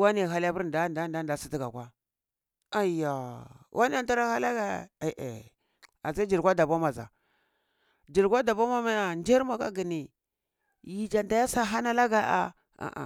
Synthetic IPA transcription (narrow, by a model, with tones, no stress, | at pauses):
wa˦ne˨ɦa˦la˦bu˦ɾnda˦nda˦nda˨˦˨da˨si˦ti˦ɡa˨kʷa˦ | a˨ja˨wʔa˦ni˦a˦˨˦ta˦ɾa˦ha˦la˦ɡa˦˨e˨ʔḛ˨ | a˨za˦d͡ʒi˨ɾɡʷa˦da˨ba˦ma˨za̰˨ | d͡ʒi˨ɾkʷa˦da˨ba˦ma˦ma˦ja˨nd͡ʒe˦ɾma˨ka̰˦ɡi˨ni˨ | ji˨d͡ʒa˨nda˨ja˦sa˦ɦa˦na˦la˦ɡa˨ʔa̰˨ | a̰˨ʔa̰˨